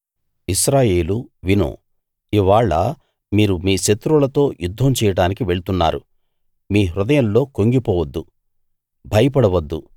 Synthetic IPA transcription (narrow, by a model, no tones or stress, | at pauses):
iʃɾaːje̞ːluʋino̰ː | iʋaːɭːɐ̰ | miːɾumiːʃet̪ɾulɐt̪o̞ːjud̪ʱːɐmt͡ʃɛːjɐɽaːnikiʋe̞ɭut̪unːa̰ːɾṵ | miːɾud̪ɐjɐnlo̞ːkoŋɡipɔːʋɐd̪ːu | bʱɐjɐpɐɽɐʋɐd̪ːu